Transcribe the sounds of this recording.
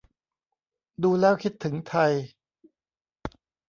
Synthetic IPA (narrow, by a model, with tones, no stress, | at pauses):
duː˧lɛː˦˥˩wkʰi˦˥t̪ʰːɯ˩˦ŋt̪ʰa˧j